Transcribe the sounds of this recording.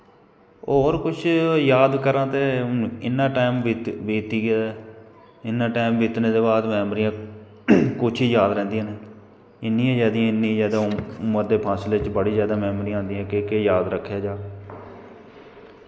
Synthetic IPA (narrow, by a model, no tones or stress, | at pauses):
oːɾkʊt͡ʃʰjaːd̪kəɾãːt̪eːnːɪnːãːʈaːɪmʋt̪ʋeːt̪iːɡaː | ɪnːãːʈaːmʋiːt̪neːd̪eːbaːd̪mɛːmɾijãː | kʊt͡ʃʰiːjaːd̪ɾɛ̃ːnd̪ijãːneː | ɪnːĩːẽːd͡ʒɛːd̪iãːɪnːĩzaːd̪aːməd̪eːpʰãːsleːt͡ʃbəɽiːzjaːd̪aːmɛːmɾijãːɦːnd̪ijãːkekejaːd̪ɾəkʰːjaːd͡ʒaː